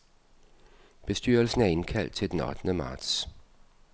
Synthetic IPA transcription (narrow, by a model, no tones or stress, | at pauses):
b̥e̝sd̥yːɐlsn̩æɐe̝nkʰæl̰d̥̚t͡sʰe̝ld̥enɒ̽d̥nəmɑ̈ːd̥s